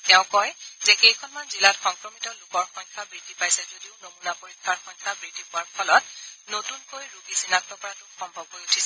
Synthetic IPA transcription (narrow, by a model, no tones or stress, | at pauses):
tɛʊ̃kɔjzɛxejkʰɔnmanzilatxɔŋkɹɔmitɔlʊkɔɹxɔjŋkʰabɹidipajsɛzodiʊnomunapoɹikʰːaɹxɔjŋkʰabɹidipʊwaɹpʰɔlɔt̚notunkojɹuɡisinak̚tɔpɔɹatʊxɔmbʱɔbɦojutʰisɛ